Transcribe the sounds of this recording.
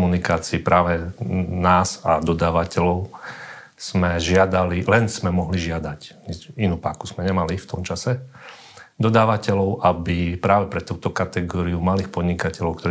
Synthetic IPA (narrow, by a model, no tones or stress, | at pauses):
munikaːt͡siːpɾaːʋɛnaːzad̪ɔd̪aːʋacɛlɔʊ | z̥mɛʒɪad̪alilɛnsmɛmɔɦliʒɪad̪acɲɛcinuːpa̰ːkuz̥mɛɲɛmalift̪ɔmt͡ʃasɛ | d̪ɔd̪aːʋacɛlɔʊʔabipɾaːʋɛpɾɛt̪uːt̪ɔkat̪ɛɡɔːɾiumaliːxpɔd̪ɲikacɛlɔʊkt̪ɔɾi